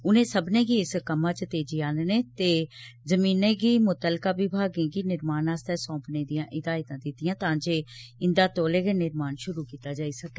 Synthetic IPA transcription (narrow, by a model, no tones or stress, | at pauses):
ʊnẽːsəbnẽːɡiːɪskəmãːt͡ʃət̪eːd͡ʒiːaːnnẽːt̪eːzəmiːnẽːɡiːmʊt̪əlkaːbiːbʱaːɡẽːɡiːnɪɾmaːnãːst̪ɛːsɔ̃ːpnẽːd̪ijãːʔɪd̪aːɪt̪ãːd̪ɪt̪ɪjãːt̪ãːd͡ʒeːɪnd̪aːt̪oːleːɡeːnɪɾmaːnʃʊɾuːkiːt̪aːd͡ʒaːisəkeː